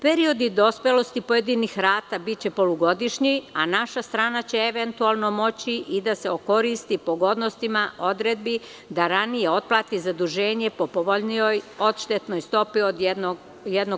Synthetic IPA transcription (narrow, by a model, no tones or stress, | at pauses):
peɾio̞d̪id̪o̞spelo̞st̪ipo̞jed̪inixɾaːt̪abitt͡ɕe̞po̞luɡo̞d̪iʃɲianaʃast̪ɾaːnat͡ɕe̞eʋent̪uaːlˠno̞mo̞t͡ɕiʔid̪aseoko̞ɾist̪ipo̞ɡo̞d̪nost̪imaʔo̞d̪ɾed̪̚bi | d̪aɾanije̞o̞t̪̚plˠaːt̪izad̪uʒe̞ːɲe̞po̞poʋoʎniojo̞t̪ʃt̪et̪no̞jst̪o̞piod̪no | jed̪no